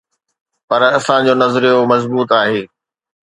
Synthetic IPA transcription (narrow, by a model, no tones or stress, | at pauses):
pɐɾɐsãd͡ʑoːnɐzɾijomɐzbuːt̪aːɦeː